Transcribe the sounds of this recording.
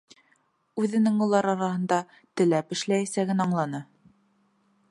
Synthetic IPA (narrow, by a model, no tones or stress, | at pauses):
ʉðɘ̆nɘŋŭlˠɑɾɑɾɑhɤ̆nd̪ɑ | t̪ɘ̆læpɘ̆ʃlæjæsæɡɘnɑɴlˠɑnɤ